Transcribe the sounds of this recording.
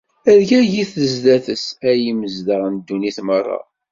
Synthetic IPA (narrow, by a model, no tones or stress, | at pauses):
æðɡæʝiθəzðæθəsæjiməzd̪əʁənd̪ːuniθmərˤːɑ̰